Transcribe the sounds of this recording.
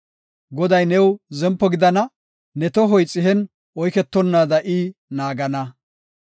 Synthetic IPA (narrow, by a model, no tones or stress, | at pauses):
ɡɔd̪ɐjnɛwzɛmpːɔɡɪd̪ɐnɐ | nɛt̪ɔɦɔjt͡sʼːɪɦɛn | ɔjkɛt̪ːɔnːaːd̪ɐʔiːnaːɡɐnɐ